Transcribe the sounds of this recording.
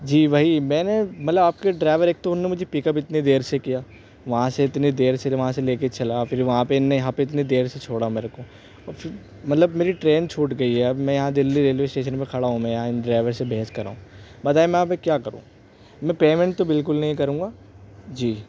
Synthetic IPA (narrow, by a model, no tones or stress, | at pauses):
d͡ʒiːʋaːɦimɛ̃ːnemɐt̪ləbaːp̚keɖɾaːɪʋəɾeːk̚t̪oʊnːemʊd͡ʒʱepiːkəp̬ɪt̪ned̪eːɾsekijaː | ʋɐɦãseɪt̪ned̪eːɾseʋɐɦãseleːket͡ʃɐlafʰɪɾʋɐɦãpeɪnːejɐɦãpeɪt̪nid̪eːɾset͡ʃʰoːɽameːɾeko | ɔːɾfʰɪɾ | mɐt̪ləbmeːɾiʈɾeːnt͡ʃʰuːʈɡɐiɦɛɐmɛ̃jɐɦãd̪ɪlːiɾeːlʋeːsʈeːʃ̬ənpẽkʰɐɽaɦũmɛ̃jɐɦãɪnɖɾaːɪʋəɾsebʱeːskɐɾa̰ːũːbɐt̪aːemɛ̃aːpmẽkjaːkɐɾṵ̃ː | mɛ̃peːmɛ̃ɳʈ̚t̪obɪlkʊlnɐɦĩkɐɾũːɡaː | d͡ʒiː